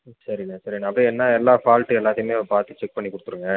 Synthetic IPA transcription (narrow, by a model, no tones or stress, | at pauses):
sɐɾinasɐɾinːɐɐpːɐɽ̃ɛnːaːɛlːaːfaːlʈːɯɛlːaːðɪjmeːpaːɾt̪ɯt͡ʃɛk̚pɐɳːikːʊɽɯt̪ːɯɾɯŋɡɐ